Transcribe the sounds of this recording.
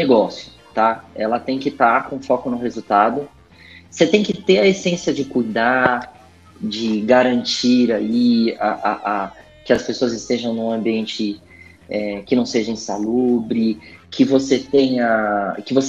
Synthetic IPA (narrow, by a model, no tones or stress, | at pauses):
neɡɔsjʊ | t̪aɛlɐt̪ẽj̃kɪt̪aɾkõfɔkʊnʊhezut̪ad̪ʊ | set̪ẽj̃kɪt̪eɾɐesẽsiɐd͡ʒɪkujd̪a | d͡ʒɪɡaɾɐ̃nt͡ʃiɾaiaʔaʔa | kɪɐspesoɐzɪst̪eʒɐ̃w̃nũɐ̃mbiẽnt͡ʃɪ | ɛkɪnɐ̃w̃seʒɐẽsalubɾɪkʰɪvoset̪ẽj̃ɐkɪvos